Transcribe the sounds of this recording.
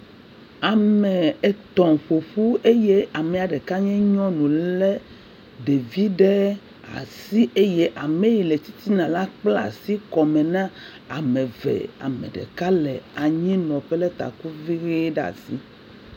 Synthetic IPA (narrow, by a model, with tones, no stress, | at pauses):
a˨mẽ˨e˨t̪ɔ̃˨ɸo˨ɸu˦e˦je˦a˨mɛ̃˨a˨ɖe˨ka˦ɲɛ̃˦ɲɔ̃˦nũ˨lɛ˦ | ɖe˨vi˦ɖe˦ | a̰˨si˦ʔe˦je˦ʔa˨mẽ˦ji˨le˨t̪i˦t̪i˦nã˨la˦k͡pla̰˨si˦kɔ˨mẽ˨nã˦ | a˨mẽ˨vḛ˨a̰˨mḛ˨ɖḛ˨ka˦lɛ̰˨a˨ɲĩ˦nɔ̃˨ɸɛ˦lɛ˦t̪a̰˨ku˦vi˦ɣi˦ɖa̰˨sḭ˦